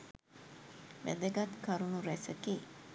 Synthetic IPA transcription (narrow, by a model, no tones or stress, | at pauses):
ʋæ̰d̪əɡat̪kaɾunuɾæsəke